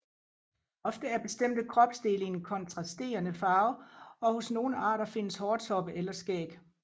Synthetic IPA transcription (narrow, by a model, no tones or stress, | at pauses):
ɒ̽fd̥əæɐb̥e̝sd̥em̰d̥əkʰʁɒ̽b̥sd̥e̝ːlən̩kʰɒ̽nt͡sʰʁɑ̈sd̥e̝̰ːɐnəfɑ̈ːʊɒ̽ho̝sno̝ːn̩ɑ̰̈ːɾɐfe̝nəshɒ̥ːt͡sʰɒ̽b̥əʔelɐsɡ̥ɛ̰ːɡ̥